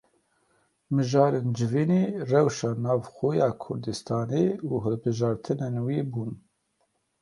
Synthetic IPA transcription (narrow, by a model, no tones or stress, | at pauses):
mɨʒɑːɾend͡ʒɪviːneːrɛwʃɑːnɑːvxoːjɑːkʰʊɾd̪ɨst̪ʰɑːneuːɦɨlbɨʒɑːɾt̪ʰɨnenwiːbuːn